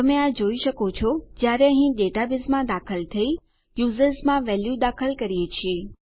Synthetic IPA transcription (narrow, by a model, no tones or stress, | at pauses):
t̪əmẽad͡ʒoiʃəkot͡ʃʰɔd͡ʒjaɾeəɦĩɖeʈabɪzmãd̪akʰəlt̪ʰəi | juzəɾzmãʋɛljud̪akʰəlkəɾijet͡ʃʰie